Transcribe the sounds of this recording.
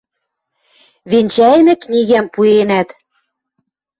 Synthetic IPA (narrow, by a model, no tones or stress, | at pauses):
βenʲt͡ɕæjmɘ̆knʲiɣæmpuenæt̪